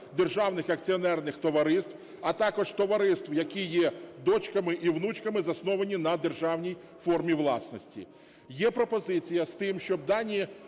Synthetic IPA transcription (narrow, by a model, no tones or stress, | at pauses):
d̪erʒɑwnɪxɐk̚t͡sʲiɔnɛrnɪxt̪ɔʋɐɾɪst̪ʋ | ɐt̪ɑkɔʒt̪ɔʋɐɾɪst̪wjɐkʲijɛd̪ɔt͡ʃkɐmɪʔiwnut͡ʃkɐmɪzɐsnɔʋɐnʲinɐd̪erʒɑwnʲij | fɔrmʲiʋlˠɑ̰snɔsʲtʲḭ | jɛpɾɔpɔzɪt͡sʲijɐst̪ɪmʃt͡ʃɔb̚d̪ɑnʲi